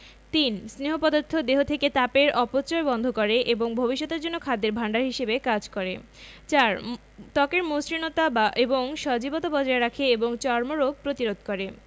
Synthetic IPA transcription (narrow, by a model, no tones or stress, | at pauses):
t̪insneɦopɔd̪oɾt̪ʰːod̪eɦot̪ʰeket̪apeɾɔpot͡ɕoebɔnd̪ʱokoɾeʔeboŋbʱobiʃːɔt̪eɾd͡ʑonːokʰad̪ːeɾbʱaɳɖaɾɦiʃebekad͡ʑkoɾe | t͡ɕaɾ | t̪ɔkeɾmosɾinot̪abaʔeboŋʃɔd͡ʑibot̪abɔd͡ʑaeɾakʰeeboŋt͡ɕɔɾmoɾoɡ̚pɾot̪iɾod̪̚ʱkoɾe